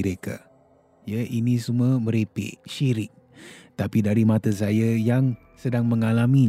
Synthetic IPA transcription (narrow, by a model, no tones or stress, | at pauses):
ɾeka̰ | jaʔinisuməməɾepɪ̰ʔʃiɾɪk̚ | t̪apidaɾimat̪as̬ajajaŋ | sədaŋməŋalami